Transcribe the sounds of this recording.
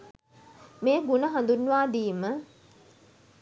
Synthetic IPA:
meːɡunəɦand̪unːʋaːd̪iːmə

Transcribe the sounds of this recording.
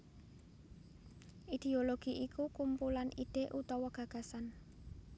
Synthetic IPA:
ʔid̪̥e̤oloɡ̥i̤ʔikukumpulanʔid̪̥e̤ʔut̪ɔwɔɡ̥ä̤ɡ̥a̤san

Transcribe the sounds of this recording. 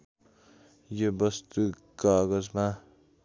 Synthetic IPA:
jobʌst̪u | kʌɡʌd͡zma

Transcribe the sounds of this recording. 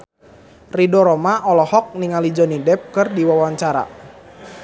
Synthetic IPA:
ridɔɾɔmaʔɔlɔhɔk̚niŋalid͡ʒɔnidɛp̚kɨrdiwawaɲt͡ʃaɾa̰

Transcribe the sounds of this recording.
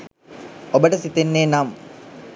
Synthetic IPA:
obɐʈɐsit̪enːeːnaːm

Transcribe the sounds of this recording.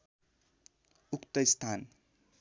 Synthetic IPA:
ukt̪ʌist̪ʰan

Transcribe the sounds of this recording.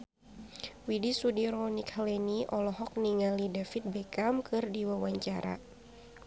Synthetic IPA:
widisudiɾɔnikhəlɛniʔɔlɔɦɔk̚niŋalidafit̪̚bɛkamkɨrdiwawaɲt͡ʃaɾa̰

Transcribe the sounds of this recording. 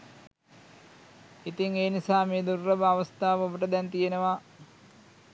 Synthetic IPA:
it̪iŋeːnisaːmeːd̪urːɐbəaʋəst̪aːʋəobəʈəd̪ɛnt̪ijenəʋa

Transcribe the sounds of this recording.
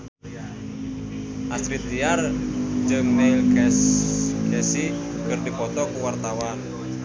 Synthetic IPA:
ʔast̪ɾit̪iard͡ʒəŋnelɡɛsɡɛsiɡərd̥i̤pɔt̪ɔkuwart̪awan

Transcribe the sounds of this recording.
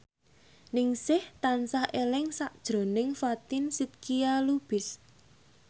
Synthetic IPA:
nɪŋsɪht̪ansahʔelɪŋsaʔd̥ʒ̥ɾo̤nɪŋfat̪ɪnsit̪̚kialub̥ɪ̤s

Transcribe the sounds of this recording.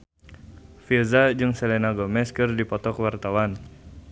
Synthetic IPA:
filzad͡ʒɨŋsɛlɛnaɡomɛskɨrdipɔt̪ɔkwart̪awan

